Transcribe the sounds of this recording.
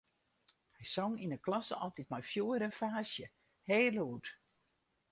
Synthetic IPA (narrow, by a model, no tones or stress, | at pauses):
hɛjsɔŋinəklɔsəɔlˠtit̚mɔjfjoːəɾənfaːsjə | heːluːt